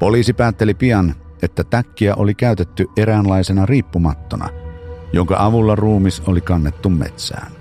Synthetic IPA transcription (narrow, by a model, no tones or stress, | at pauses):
poliːsipæːt̪ːelipiɑnʔet̪ːæt̪ækːiæʔolikæyt̪et̪ːyʔʔeɾænlɑisenɑriːpːumɑt̪ːonɑ̰joŋkɑ̰ʔɑʋulːɑruːmisolikɑnːet̪ːummḛt̪sæ̰ːn